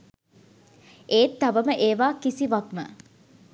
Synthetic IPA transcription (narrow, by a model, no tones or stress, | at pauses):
ʔeːt̪ːaʋəməʔeːʋaːkisiʋakmə